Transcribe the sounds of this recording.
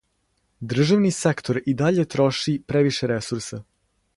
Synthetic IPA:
d̪r̩ʒaʋnisekt̪o̞ɾid̪aʎe̞t̪ɾo̞ʃipɾeʋiʃeɾesuɾsa

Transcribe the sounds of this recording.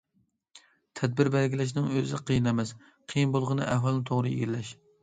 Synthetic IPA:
t̪ʰɛd̪̚bɪɾbɛlɡʲilɛʃ̬nɪŋøzɪqʰijinɛmɛs | qʰijinbolˠʁənɨʔɛhwɑlˠnɨt̪ʰoʁɾɨḭɡʲɾlɛʃ

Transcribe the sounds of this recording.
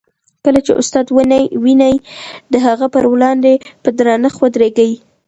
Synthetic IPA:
kəlat͡ʃḛʔʊ̰st̪ɑd̪wənajwinajd̪əɦaɣapəɾwlɑnd̪epəd̪ɾɑnaxwad̪ɾeɡaji

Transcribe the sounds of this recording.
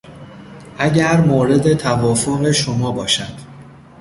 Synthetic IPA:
ʔæɟæɾmoːɾe̞d̪e̞t̪ʰævɒːfoɣe̞ʃomɒːbɒːʃæd̪̥

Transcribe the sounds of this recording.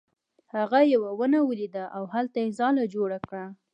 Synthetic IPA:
haɣajawawənawəlid̪aʔawhalt̪ajezɑlad͡ʒoɽakɽa

